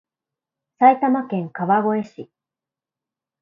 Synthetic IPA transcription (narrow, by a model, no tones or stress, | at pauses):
sait̪amakẽ̞ŋkaβaɡo̞e̞ɕi